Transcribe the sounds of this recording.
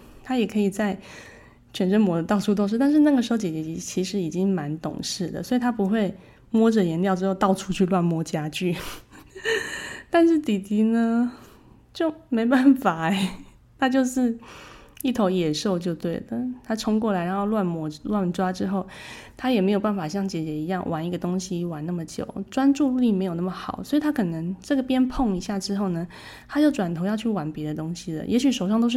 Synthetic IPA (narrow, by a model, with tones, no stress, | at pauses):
t̪ʰa˥jɛ˨˩kʰɤ˧˥i˨˩t͡sa˥˩ɪ | t͡ɕʰɥɛ˨˩nʈ͡ʂə˥nmwɔ˧˥d̪ə˧t̪ɑ˥˩ʊʈ͡ʂʰu˥t̪̬o˥˧ŋʂ̬̩˥˧t̪nʂɻ̩˥˧na˥˩ɡə˩ʂɻ̩˧˥xo˥˧ʊt͡ɕɛ˨˩t͡ɕɛ˧t͡ɕɛ˧˥t͡ɕʰi˧˥ʂɻ̩˧˥i˨˩t͡ɕi˦˥ŋma˧˦nt̪ʊ̰˨˩ŋʂɻ̩˥˩d̪ə̰˩swɔ˧˥i˨˩t̪ʰa˥pu˧˥xwe˥˩ɪ | mwɔ˥ʈ͡ʂɤ˨˩jɛ˧˥nljɑ˥˧ʊʈ͡ʂɻ̩˥xo˥˧ʊɑ˥˩ʊʈ͡ʂʰu˥t͡ɕʰy˥˧lwa˥˩nmwɔ˥t͡ɕja˥t͡ɕy˥˩ | t̪a˥˧nʂɻ̩˥˩t̪i˨˩t̪i˧˥nə˧˦ | t͡ɕjo˥˩ʊme˧˥ɪpa˥˩nfa˨˩ɛ˧˦ | t̪ʰa˥t͡ɕjo˥˧ʊʂɻ̩˥˧ | i˥˩t̪ʰo˧˥ʊjɛ˨˩ʂo˥˧ʊt͡ɕjo˥˧ʊt̪we˥˩ɪd̪ə˩t̪ʰa˥ʈ͡ʂʰʊ˥ŋk̬wɔ˥˩la˧˥ɪɻa˧˥nxo˥˧ʊlwa˥˩nmwɔ˧˥˦lwa˥˩nʈ͡ʂwa˥ʈ͡ʂɻ̩˥xo˥˩ʊt̪ʰa˥jɛ˨˩me˧˥jo˨˩ʊpa˥˩nfa˨˩ɕ̬jɑ˥˧˩ŋt͡ɕjɛ˨˩t͡ɕjɛ˧˥i˧˥jɑ˥˩ŋwʔa˧˥ni˧˥ɡə˧t̪ʊ˥ŋɕi˨wa˧˥na˥˩mə˩t͡ɕjo̰˨˩˦ʊʈ͡ʂwa˥nʈ͡ʂu˥˧u˥˧li˥˩me˧˥ɪjo˨˩ʊna˥˩mə˩xɑ˨˩˦ʊswɔ˧˥i˨˩t̪ʰa˥kʰɤ˨˩nə˧˥˦ŋʈ͡ʂɤ˥˩ɡə˩pjɛ˥npʰo˥˩ŋi˧˥ɕja˥˩ʈ͡ʂɻ̩˥xo˥˩ʊnə˩ | t̪ʰa˥t͡ɕjo˥˩ʊʈ͡ʂwa˨˩nt̪ʰo˧˥ʊjɑ˥˧ʊt͡ɕʰy˥˩wa˧˥npjɛ˧˥d̪ə˧t̪ʊ˥ŋɕi˨d̪ə̰˨jʔɛ˧˥ɕy˨˩ʂo˨˩ʊʂɑ˥˧ŋt̪o˥ʊʂ